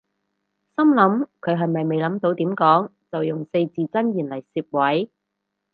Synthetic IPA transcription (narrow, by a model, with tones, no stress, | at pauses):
sɐ˥mlɐ˨˥mkʰɵ˨˧ɥɦɐ˨jmɐ˨jme˨jlɐ˨˥mt̪o˧wt̪iː˨˥mkɔː˨˥ŋ | t͡sɐ˨wjʊ˨ŋse˧jt͡siː˨t͡sɐ˥njiː˨˩nlɐ˨˩jsiː˧p̚wɐ˨˥j